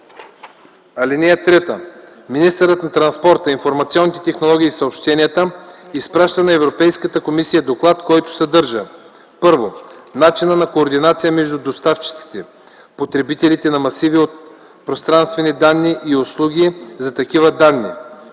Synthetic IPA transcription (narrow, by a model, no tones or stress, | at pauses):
ɐlʲinɛjət̪ɾɛt̪ə | minist̪əɾət̪nɐt̪ɾɐnspɔɾt̪əinfoɾmɐt̪sʲiɔnːit̪ɛt̪ɛxnolˠɔɡʲiːsɐopʃt̪ɛnijət̪əispɾaʃt̪ənɐɛvɾopɛjskət̪əkomisijəd̪oklˠat̪kɔjt̪ʊ̥sɐd̪ɤɾʒə | pɤɾvonat͡ʃinənɐkoːɾd̪inat̪sijəmɛʒd̪ud̪ost̪aft͡ʃi̥t̪si̥t̪ɛ | pot̪ɾɛbit̪ɛlit̪ɛnɐmɐsiviot̪̚ | pɾost̪ɾanst̪vɛnid̪anːiʔioslˠuɡʲizɐt̪ɐkivəd̪anːḭ